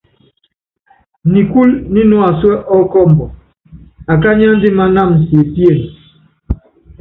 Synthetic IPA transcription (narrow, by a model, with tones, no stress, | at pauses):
ni˨ku˦lni˦nɔ˦a˨swɛ˦ʔɔ˦kɔ˦˨mbɔ˨ | a˨k̬a˦ɲ˦a˦n˦di˦ma˦na˦˨m˨se˨pi˦e˦˨n